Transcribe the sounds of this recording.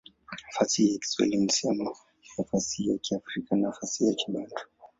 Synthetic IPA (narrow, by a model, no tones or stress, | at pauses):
afatijaki̥swɛ̰lim̩siamɔ | jafasijakiafɾikanafasijakʰiɓandɔ̥